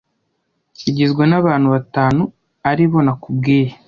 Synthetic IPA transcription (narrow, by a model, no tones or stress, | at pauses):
ciɟezɡwenaβaːn̥uβataːnu | aɾiβo̞nakubɡiːje